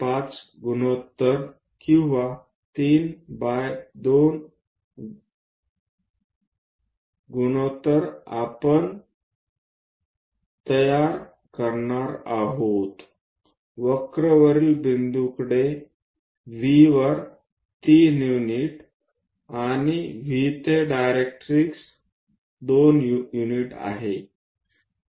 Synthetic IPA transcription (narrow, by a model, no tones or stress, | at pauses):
pat͡s | ɡunot̪ːəɾ | kĩw̃ʋa | t̪iːnbajd̪on | ɡunot̪ːəɾa̰pəɳ | t̪əjaɾ | kəɾɳaɾaɦot̪ | ʋəkɾəʋəɾiːlbind̪ukɽe | ʋiʋəɾ | t̪injuniʈ | añiʋit̪eɖajɾek̚ʈɾiks | d̪onjuniʈa̰ɦe